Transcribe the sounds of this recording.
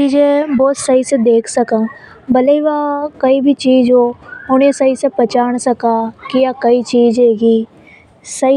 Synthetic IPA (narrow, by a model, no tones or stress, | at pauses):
t͡ʃiːd͡ʒẽbɔːt̪sɐɦised̪eːkʰsɐkã | bɐleiʋakɐibʱit͡ʃiːzoɦʊnẽsɐɦisepɐt͡ʃaːɽ̃sɐkakijakɐit͡ʃiːd͡ʒeːɡiː | sɐi